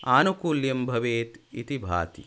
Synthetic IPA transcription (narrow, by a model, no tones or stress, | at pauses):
aːnukuːljɐmbʱɐʋeːt̪ḭt̪ibʱa̰ːt̪ḭ